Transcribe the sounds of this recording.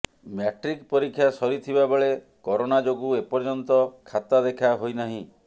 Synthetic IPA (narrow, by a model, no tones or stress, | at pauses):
mjaʈɾikpɔɾikʰːjasɔɾit̪ʰibabeɭe | kɔɾonad͡ʒoɡuepɔɾd͡ʒɔnt̪ɔkʰat̪ad̪ekʰaɦojnaɦĩ